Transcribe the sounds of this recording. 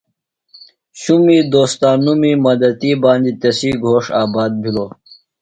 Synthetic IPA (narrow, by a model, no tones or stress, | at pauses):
ɕumiːd̪oːst̪aːnːumiːmɐd̪ɐt̪iːbãːnd͡ʑit̪esiːɡʱoːʂaːbaːd̪̚bʱiloː